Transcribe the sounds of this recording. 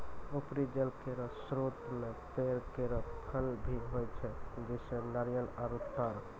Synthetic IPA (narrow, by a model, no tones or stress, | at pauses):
upɾid͡ʒəlkeɾəsɾot̪met̪eɾkeɾəpʰəlbʱiɦojt͡ʃʰɛd͡ʒisenaɾjənaɾut̪ːaɾ